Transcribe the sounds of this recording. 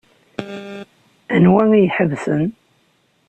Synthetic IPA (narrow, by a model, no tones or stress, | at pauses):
ænwæŋijħəvsən